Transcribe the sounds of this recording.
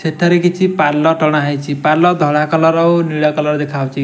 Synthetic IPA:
sʰeʈʰːaɾekit͡ʃʰipaɾlɔʈɔɽ̃aɦajt͡ʃʰipaɾlɔd̪ʱɔɽakɔlɔɾɔwniɽakɔlɔɾd̪ekʰawt͡ʃʰi

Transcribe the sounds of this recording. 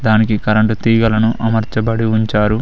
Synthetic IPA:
d̪aːnikikɐɾɐɳʈut̪iːɡɐlɐnuʔɐmɐɾt͡ʃɐbɐɽiuɲt͡ʃaːɾu

